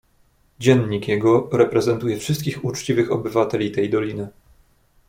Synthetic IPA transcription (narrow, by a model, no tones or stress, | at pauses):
d͡ʑɛnɲikjɛɡɔɾɛpɾɛzɛnt̪ujɛfʂɘst̪kʲixut͡ʂt͡ɕivɘxɔbɘvat̪ɛlʲit̪ɛjd̪ɔlʲinɘ